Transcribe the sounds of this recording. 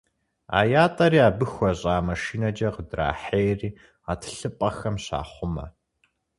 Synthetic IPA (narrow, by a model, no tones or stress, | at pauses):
a̰ːjaːtʼɐɾiːaːbɨxʷɔɕʼaːmɐʃiːnɐd͡ʒɐqədra̰ːħeːjriː | atʰɬɨpʼɐxɐmɕa̰ːχʷʊmɐ̰